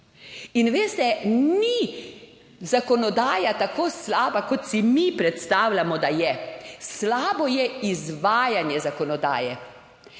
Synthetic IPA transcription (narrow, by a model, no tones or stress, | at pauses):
inʋeːst̪ɛni | zakɔnɔd̪aːjat̪akoːslaːbakɔt̪simipɾɛt̪st̪aːwlʲamɔd̪ajɛslaːbɔjɛizʋaːjanjɛzakɔnɔd̪a̰ːjɛ